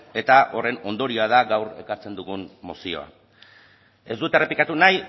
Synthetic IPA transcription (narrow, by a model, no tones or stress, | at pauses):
e̞t̪aʔo̞re̞no̞nd̪o̞ɾio̞að̞aɣawɾe̞̰kaɾt͡se̞nd̪uɣunmosio̞̰a̰ | e̞zd̪ut̪e̞re̞pikat̪unaj